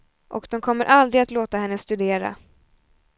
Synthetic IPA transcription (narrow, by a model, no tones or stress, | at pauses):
ʔɔ̰kd̪ɔmkʰɔmːəɾʔald̪ɾɪɡat̪loːt̪ahɛnːəst̪ɵd̪eːɾa̰